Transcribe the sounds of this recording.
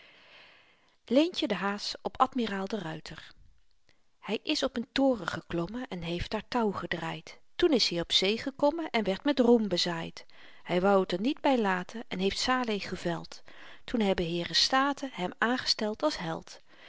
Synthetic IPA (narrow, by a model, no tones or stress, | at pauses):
lejncədəɦaːsɔpɑtmiraːlˠdərœɥtʰəɹ | hɛjʔɪsɔpəntʊːrəχəklɔməɛnɦejftaːɹtɑwχədraːjttunɪsɦijɔpsejχəkɔmənʔɛnʋɛɹtmɛtrumbəzaːjt | hɛjʋɑwətəɹnid̚bɛjlaːtʰənɛnɦejftsaːlejχəvɛ̰lˠttunɦɛbəɦɪːrəstaːtəɦɛmaːnχə̥stɛlˠtɑlˠsɦɛ̰lˠt